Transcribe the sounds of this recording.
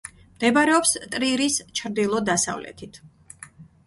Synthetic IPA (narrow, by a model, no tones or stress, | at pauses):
md̪̥ɛbaɾɛɔpst̪ʼɾiɾist͡ʃʰɾd̪ilˠɔd̪asa̰vlɛ̰t̪ʰit̪ʰ